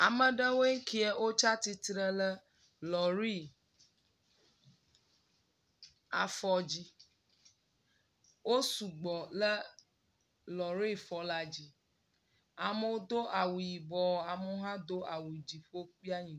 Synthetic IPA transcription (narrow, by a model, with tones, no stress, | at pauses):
a˨mə̃˨ɖə˦wo˦e˦ŋ˦ki˦e˦wo˦t͡ʃa˦t̪i˦t̪ɾə˦lə˦ | lɔ˨ɾi˦˨ | a˨fɔ˦d͡ʑi˦ | wo˦su˨ɡ͡bɔ˨lə˦ | lɔ˨ɾi˦fɔ˨la˨d͡ʑi˨ | a˨mə˨wo˦d̪o˦ʔa˨wu˨ji˨bɔ˨a˨mu˦ɦã˦d̪o˦a˨wu˨i˨d͡ʑi˨ɸo˦k͡pi˦a˦ɲĩ˨˦